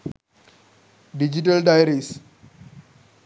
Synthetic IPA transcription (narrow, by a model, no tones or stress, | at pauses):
did͡ʒitaldajɾeks